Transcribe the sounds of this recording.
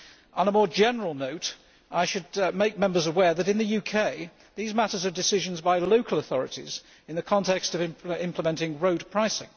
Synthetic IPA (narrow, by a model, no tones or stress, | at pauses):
ʔə̃nəmɔːɹd͡ʒɛnə˞əl̩ˠnoʊt | ʔaɪʃɨd̚meɪk̚mɛ̃mbəzəwɛɹðəɾɨ̃nðɨjʉkʰeɪ | ðizmatə˞zədɨsɪʒə̃nzbaɪloʊkʰəlˠəθɔɹɨtḭz | ɨ̃nðɨkʰɒ̃ntʰɛkstʌvɪ̃mɪ̃mpʰləmɛ̃ntɪ̃ŋɹoʊd̚pʰɹ̥aɪsɪ̰̃ŋ